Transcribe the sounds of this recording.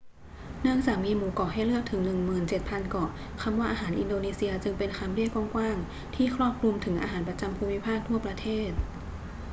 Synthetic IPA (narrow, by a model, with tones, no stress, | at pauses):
nɯ˥˩əŋt͡ɕaː˨˩k̚miː˧muː˩˦kɔː˨˩ha˥˩jlɯ˥˩ək̚t̪ʰɯ˩˦ŋnɯ˨˩ŋmɯː˨˩nt͡ɕe˨˩t̪̚pʰa˧nkɔː˨˩ | kʰa˧mwaː˥˩ʔaː˧ɦaː˩˦nʔi˧ndoː˧niː˧si˧ɐt͡ɕɯ˧ŋpe˧nkʰa˧mdi˥˩əjkɔː˧˥˩ŋkwaː˥˩ŋ | t̪ʰiː˥˩kʰɾɔː˥˩p̚kʰlu˧mt̪ʰɯ˩˦ŋʔa̰ː˧ɦaː˩˦npɾa˧t͡ɕa˧mpʰuː˧mi˦˥pʰaː˥˩k̚t̪ʰu˥˩ɐpɾa˧t̪ʰeː˥˩t̪̚